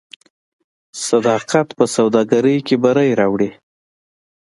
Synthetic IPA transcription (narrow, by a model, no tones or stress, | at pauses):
sad̪ɑqat̪pəsawd̪ɑɡaɾəjkebaɾajɾɑwɽi